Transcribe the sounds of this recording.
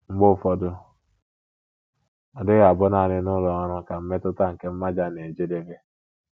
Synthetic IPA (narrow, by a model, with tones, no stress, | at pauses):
ŋ͡m̩˦ɡ͡bʊ˦˨fɔ˦dʊ˦ | ɔ˨dɪ˦ɣa˨bʊ˦na˨nɪ˦nʊ˦lɔ˨ɔ˦ɾʊ˦ka˨m̩˦me˦tʊ˦ta˦ŋ̩˨ke˦m̩˦ma˦d͡ʒa˦ne˨d͡ʒe˦de˦ɡe˦